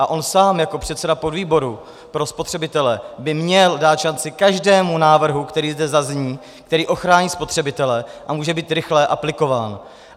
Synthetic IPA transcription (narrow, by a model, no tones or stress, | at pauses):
ʔaʔo̞nsaːmjako̞pr̝̥ɛt̪sɛdapo̞dviːbo̞ɾu | pɾo̞spot̪r̝̥ɛbɪt̪ɛlɛbɪmɲɛldaːt̪ʃant͡sɪkaʒdɛːmunaːvr̩ɦukt̪ɛɾiːzdɛzazɲiː | kt̪ɛɾiːʔo̞xɾaːɲiːspo̞t̪r̥ɛbɪt̪ɛlɛʔamuːʒɛbiːt̪ɾɪxlɛʔaplɪko̞vaːn